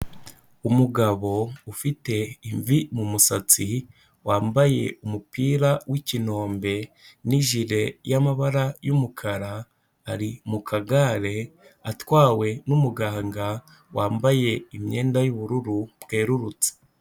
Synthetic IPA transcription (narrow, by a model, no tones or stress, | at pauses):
umuɡaβo̞ufite̞iɱvimumusat͡si | waːmbaje̞̰umupiːɾawʔicino̞ːmbe̞niʒiɾe̞jamaβaɾajumukʰaɾaː | ɾimukʰaɡaɾe̞ | atwaːwe̞numuɡaːŋɡa | waːmbaje̞imɲe̞ːndajuβuɾuɾubɡe̞ːɾuɾut͡se̥